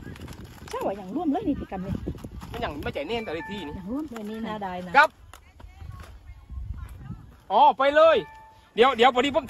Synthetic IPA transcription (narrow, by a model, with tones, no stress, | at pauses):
t͡ɕʰaː˧˥˩waː˧˩jaː˨˩ŋlu˧˥˩əmləː˧˥˨niː˧˩t̪ʰiː˧ka˧˩mni˧˩ma˧˥˨nja˨˩hma˧˩t͡ɕa˨˩˦nɛː˧˩nt̪ɛ˨˧ɾeː˧˩t̪ʰiː˧˩niː˧˨aː˨˩ŋlu˧˥˩ə˨mlo˧˩niː˧˩˨naː˧˩daː˧˩jna˧ka˦˧˥p̚ | ʔɔː˨˧˩pa˧jlɤː˧˥˩j | di˨˦əwdi˨˦əwpa˨˧˦ni˧pʰo˧˥˨ŋ